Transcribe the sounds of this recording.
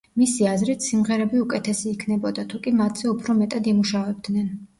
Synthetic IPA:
misiazɾit̪ʰsimʁɛɾɛbiukʼɛt̪ʰɛsiːkʰnɛbɔd̪at̪ʰukʼimat̪ʰz̥ɛupʰɾɔmɛt̪ʼad̪imuʃavɛb̚d̪nɛn

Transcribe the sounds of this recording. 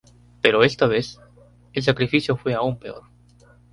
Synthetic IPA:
pe̞ɾo̞e̞st̪aβe̞s | els̬akɾifisjo̞fwe̞aumpe̞o̞ɾ

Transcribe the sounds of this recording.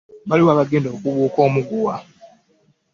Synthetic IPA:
βaliwaːβaɡe̞ːndoːkuβuːko̞ːmuɡuwa

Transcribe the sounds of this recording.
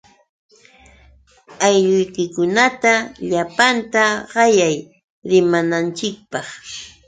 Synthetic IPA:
ajʎʊjkɪkʊnat̪aʎapant̪aɢɑjaj | ɾɪmanant͡ʃɪk̚pɑχ

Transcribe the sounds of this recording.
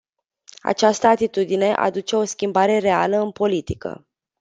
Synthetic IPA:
a̰t͡ʃast̪əat̪it̪ud̪ine̞ʔa̰d̪ut͡ʃe̞o̞skʲimbaɾe̞ɾe̞aləɨnpo̞lit̪ikə̰

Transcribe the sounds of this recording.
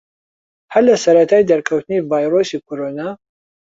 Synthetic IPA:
hɐɾlɐsɐɾɐt̪ʰaːjd̪ɐɾkʰɐwt̪ɨnivaːjɾosiːkʰoɾoːnaː

